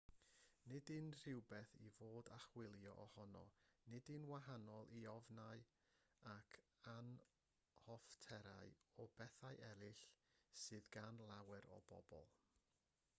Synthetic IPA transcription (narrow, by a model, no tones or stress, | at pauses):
nɪdɨnr̥ɪwbɛθivoːdaχwɪlˠjɔʔɔhɔnɔ̰nɪdɨnwaɦanɔlˠʔiɔvnaɨ | akʰan | hɔftʰɛɾa̰ɨɔbɛθaɨʔɛɾɨɬsɨːðɡanlˠawɛɾɔ̰bɔ̰bɔ̰lˠ